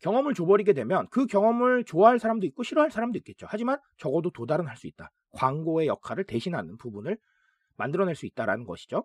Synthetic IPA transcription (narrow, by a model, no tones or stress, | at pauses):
kjʌŋʌmɯɭt͡ɕobʌɾiɡe̞dwe̞mjʌnkɯkjʌŋʌmɯɭt͡ɕoaɦaɭsʰaɾamdoik͈oɕʰiɾoɦaɭs͈ʰaɾamdoik͈e̞t̚t͡ɕ͈o̰had͡ʑiman | t͡ɕʌɡʌdotodaɾɯnɦaɭs͈uit̚t͈a | kwaŋɡoe̞jʌkʰaɾɯɭte̞ɕʰinɦanɯnpubunɯɭ | mandɯɾʌneɭs͈uit̚t͈aɾa̰nɯnɡʌɕʰi̥d͡ʑo